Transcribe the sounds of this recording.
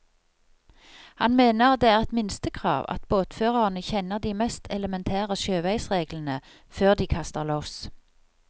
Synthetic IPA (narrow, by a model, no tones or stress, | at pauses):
hɑnmeːnəʁd̪eːæːʁɛt̪mɪnst̪əkʰʁɑ̰ːʋɑ̰t̪boːt̪føːʁɑʁnəçɛnəʁd̪iːmɛst̪ʰɛləmɛnt̪ʰæːʁəʃøːʋæɪsʁeːɡlən̩ə | føːʁd̪iːkʰɑst̪əʁloːs